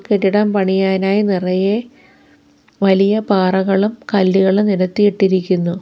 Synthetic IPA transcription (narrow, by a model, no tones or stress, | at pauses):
keɾiɽɐmpɐɳijaːnaːjinirɐje | ʋɐlijɐpaːrɐɣɐɭumkɐlːiɣɐɭniɾɐt̪ːijiʈːiɾikʲːunːu